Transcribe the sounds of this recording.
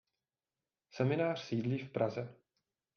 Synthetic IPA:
sɛmɪnaːr̝̥siːdliːfpɾazɛ

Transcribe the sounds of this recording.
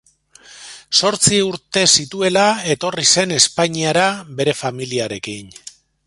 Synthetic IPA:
so̞ɾt͡siuɾt̪e̞sit̪ue̞lae̞t̪o̞rise̞ne̞spaɲiaɾabe̞ɾe̞familiaɾe̞kin

